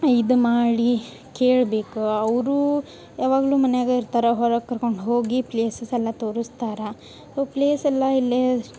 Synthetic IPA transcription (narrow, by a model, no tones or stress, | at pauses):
id̪umaːɽi | keːɭbe̞ːkuɐʋɾuː | jaːʋaːɡluːmɐnejaːɡeiɾt̪aːɾɐɦɔɾɐkːɐɾkoɳɖɦo̞ːɡipleːsɐsɛlːɐt̪o̞ːɾust̪aːɾe | soːpleːsɛlːɐilːe